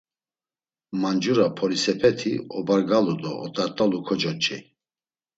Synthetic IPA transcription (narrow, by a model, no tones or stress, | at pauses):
mand͡ʒuɾapʰɔɾisɛpʰɛt̪ʰiɔbaɾɡalud̪ɔːt̪ʼaɾt̪ʼalukʰɔd͡ʒɔt͡ʃʼḭ